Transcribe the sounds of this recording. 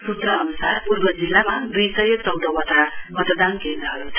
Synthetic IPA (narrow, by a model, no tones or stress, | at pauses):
sut̪ɾʌːnusarpurbʌd͡zilːamad̪ijsʌjʌt͡sʌwd̪ʌwʌt̪amʌt̪d̪ankend̪ɾʌɦʌɾut̪ʰ